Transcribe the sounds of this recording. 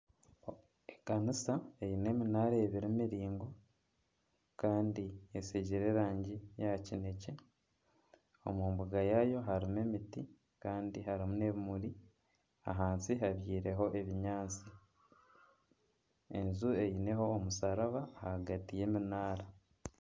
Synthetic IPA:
ekanisae̞jine̞ːminaːɾaeβiɾimiɾiːŋɡo̞ | kaːndiesiɟiɾe̞ːɾaːɲɟijacine̞ce̞ | o̞̰mumbuɡajajo̞ɦaɾime̞miti | kaːndihaɾimune̞βimuɾi | a̰ɦaːnsiɦaβjiːɾe̞ɦo̞ʔeβiɲaːt͡si | e̞nzue̞jine̞ho̞ːmusaɾaβaːhaɡatije̞ːminaːɾa

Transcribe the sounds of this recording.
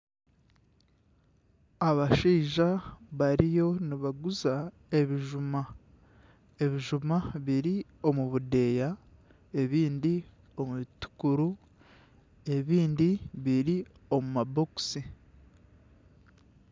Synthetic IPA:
aβaʃiːʒaβaɾijo̞niβaɡuza | e̞βiʒuma | eβiʒumaβiɾio̞muβude̞ja | e̞βiːndi | o̞muβitu̥kuɾu | e̞βiːndiβiɾio̞mumabo̞ksi

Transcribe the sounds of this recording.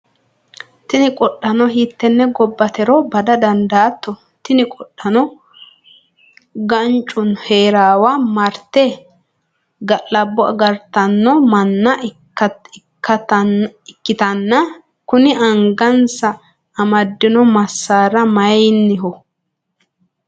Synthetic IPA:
t̪ɪnɪkʼɔɗːɐnɔɦit̪ːɛnːɛɡɔbːɐt̪ɛɾɔbɐd̪ɐd̪ɐnd̪aːt̪ːɔ | t̪ɪnɪkʼɔɗːɐnɔ | ɡɐnt͡ʃʼːʊnheːɾaːwaːmɐɾt̪ːɛ | ɡɐlːɐbːɔɐ̰ɡɐɾt̪ːɐnːɔmɐnːɐː | ɐɪkʰːɐɐnɪkːɪt̪ɐnːɐ | kʊnɪʔɐŋɡɐnsɐː | mɐd̪ːɪnɔmɐsːaːɾɐmɐjnːɪɦɔ

